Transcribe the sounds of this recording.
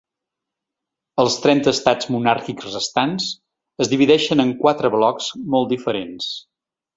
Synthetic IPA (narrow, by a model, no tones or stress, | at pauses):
əlˠst̪ɾɛnt̪əːst̪ad͡zmunaɾkikzrəst̪ans | əzðiβiðɛʃənəŋkwat̪ɾəβlɔkzmɔlˠt̪d̪ifəɾens